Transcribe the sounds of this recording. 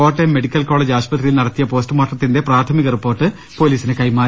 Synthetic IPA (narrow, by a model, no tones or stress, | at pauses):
oːʈːeme̞ɽikʲːɐlkoːɭeːd͡ʑaːʂpɐt̪rijilnɐɽɐt̪ːijɐpo̞ːstɨmaːʈːɐt̪ːinde̞praːt̪ʰɐmiɣɐripːo̞ːrʈːɨ | po̞ːliːsine̞kɐjmaː